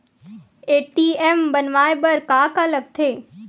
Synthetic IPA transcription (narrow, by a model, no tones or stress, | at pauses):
eːʈiːɛmbɐnʋaːebɐɾkaːkaləɡ̚t̪ʰeː